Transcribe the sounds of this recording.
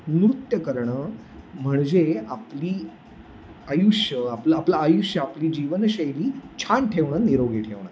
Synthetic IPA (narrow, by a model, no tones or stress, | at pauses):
nɾut̪jəkəɾɳə | m̤əɳd͡zeapliː | ajuɕjəapləaplaːjuɕjəapliːd͡ʑiʋənɕəjɾiːt͡ɕʰanʈʰeʋɳəniɾoɡeʈʰeʋɳə